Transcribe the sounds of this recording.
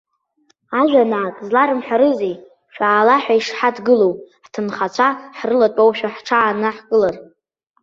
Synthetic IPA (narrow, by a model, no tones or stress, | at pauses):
aʒᶣanaakʼzlaɾɨmħʷᶣaɾɨzej | ʃᶣaːlaħʷᶣaiʂħadɡɨlowħtʰɨnχat͡ɕʷʰaħrɨlatʷʼowʃᶣaħʈ͡ʂʰaːnɨħkʼɨlar